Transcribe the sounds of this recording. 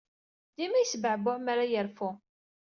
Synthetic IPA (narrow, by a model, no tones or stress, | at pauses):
d̪imæjsəbʕəbʊʕmaɾajəɾfʊ